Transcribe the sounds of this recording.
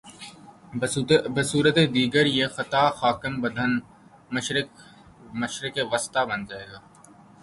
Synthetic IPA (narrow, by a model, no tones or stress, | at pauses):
bɐsuːɾət̪ed̪iːɡəɾjexɐt̪aːxaːkɪmbɐd̪ʱən | mɐʃɾɪk | mɐʃɾɪkeʋəst̪abɐnd͡ʒaːeːɡaː